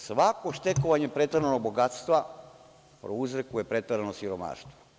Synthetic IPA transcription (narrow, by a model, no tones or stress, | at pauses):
sʋakoʃt̪e̞koʋaɲe̞pɾet̪aɾanoɡ̚bo̞ɡat̪st̪ʋa | pɾouzɾekuje̞pɾet̪aɾanosiɾoma̰ːʃt̪ʋo